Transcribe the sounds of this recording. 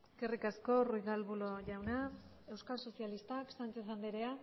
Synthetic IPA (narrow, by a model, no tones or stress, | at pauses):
kerikasko̞rujɣalβuloʝawna | e̞wskalso̞sialist̪aksant͡sesand̪eɾea